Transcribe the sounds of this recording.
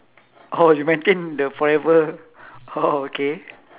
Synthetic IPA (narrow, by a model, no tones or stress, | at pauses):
ʔojumɛ̃nt̪ẽndəfɔɹɛvə | ooke